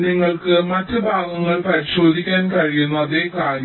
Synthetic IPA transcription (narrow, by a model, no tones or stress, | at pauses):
niŋːɐɭkɨmɐtːɨbʱaːɡɐŋːɐɭpɐɾiɕo̞ːd̪ʱikʲːaːnkɐɻijunːɐɐðeːkaːɾjɐ